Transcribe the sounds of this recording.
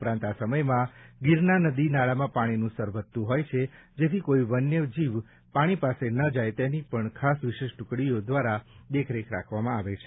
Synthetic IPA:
upɾãnt̪asəməjmãɡɪɾnanəd̪inaɭamãpaɽ̃inũsəɾʋət̪ːũɦɔjt͡ʃʰe | d͡ʒet̪ʰikoiʋənːjəd͡ʒiʋ | paɽ̃ipasenəd͡ʒajt̪enipəɳkʰasʋɪʃeʃʈʊkɽiod̪ʋaɾad̪ekʰɾekʰɾa̰kʰʋamãaʋet͡ʃʰe̥

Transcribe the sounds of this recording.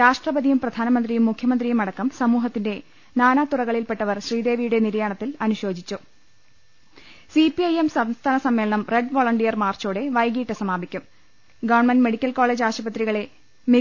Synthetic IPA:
ɾaːʂʈrɐbɐðijumprɐd̪ʱaːnɐmɐnd̪rijumːukʰjɐmɐnd̪rijumɐɽɐkːɐmsɐmuːɦɐt̪ːinde̞ | naːnaːt̪urɐɣɐɭilpeʈːɐʋɐrɕriːd̪e̞ːʋijuɽe̞niɾɐjaɳɐt̪ːilɐnuɕo̞ːd͡ʑit͡ɕːu | sipiɐjemsɐmst̪ʰaːnɐsɐmːe̞ːɭɐɳɐmre̞ɖʋoːɭɐɳʈijɐrmaːrt͡ɕoːɽe̞ʋɐjɡiːʈːɐsɐmaːbikʲːum | ɡɐːɳmɐnme̞ɽikʲːɐlko̞ːɭeːd͡ʑaːɕɐbɐt̪riɣɐɭe̞ | mi

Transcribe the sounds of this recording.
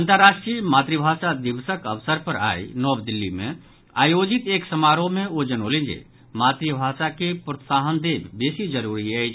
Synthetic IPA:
ənt̪əɾːaʃʈɾijmaːt̪ɾibʱaːsad̪iʋsəkəʋsəɾpəɾa̰ːinɔːbd̪ilːimḛ̃ | aːjod͡ʒit̪eːksəmaːɾomẽod͡ʒənɦolĩnd͡ʒḛ | maːt̪ɾibʱaːsakepɾət̪saːɦənd̪eːbbeːsid͡ʒəɾuɾiɛjt͡ʃʰ

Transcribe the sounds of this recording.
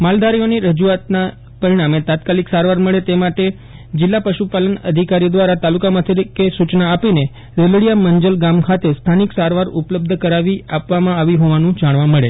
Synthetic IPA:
mald̪aɾijoniɾəd͡ʒuat̪na | pəɾiɽ̃amet̪ãt̪kaliksaɾʋaɾməɭet̪emaʈe | d͡ʒɪlːapəʃupalənə̰d̪ʱikaɾiod̪ʋaɾat̪alukamãt̪ʰikesut͡ʃnaːpine | ɾəlɽijaməɲd͡ʒəlɡamkʰat̪est̪ʰaniksaɾʋaɾʊpləb̚d̪ʱəkəɾaʋiapʋamãaʋiɦoʋanũd͡ʒaɽ̃ʋãməɭe

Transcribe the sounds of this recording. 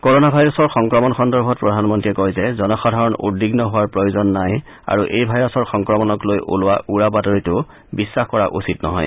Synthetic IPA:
koɹonabʱajɹɔsɔɹxɔŋkɹɔmɔnxɔndɔɹbʱɔt̚pɹɔdʱanmɔntiɛkojzɛzɔnɔxadʱaɹɔnṵdiɡnɔɦʊwaɹpɹojozɔnːaj | a̰ɹuʔejbʱajɹɔsɔɹxɔŋkɹɔmɔnɔklojʔṵlʊwaʔuɹabatɔɹitʊ | bisːaxkɔɹaʔṵsitnɔ̰ɦɔ̰j

